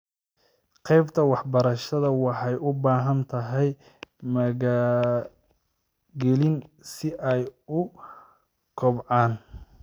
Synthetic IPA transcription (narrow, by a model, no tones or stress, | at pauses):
qɛjbt̪ʰɐwɑħbɐɾɐʃɐðɐwɑħɑjʔʊbaːɦɐnt̪ʰɐɦɛj | mɐɣaː | ɡɛlɪnsɪʔɛjʊ | kʰɔbʕɑːn